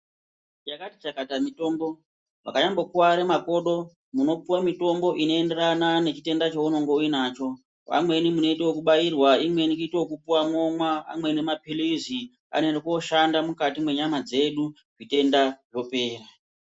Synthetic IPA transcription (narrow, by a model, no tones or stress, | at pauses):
jakatit͡ʃakatamito̞ːmbo̞ | ʐa̰kaɲambo̞kuwaɾemako̞ɗo̞ | muno̞puwamito̞mbo̞ʔino̞e̞nde̞ranane̞t͡ʃite̞ndat͡ʃouno̞ŋɡo̞uinaːt͡ʃo̞ | a̰mwe̞nimuno̞iteokuɓajirwaimwe̞nikuiteokupuwamo̞mwaa̰mwe̞nemapilizi | a̰nenekuoʃandamukatimwe̞ɲamad͡ze̞ɗu | ʐite̞ndaʐo̞pe̞ːra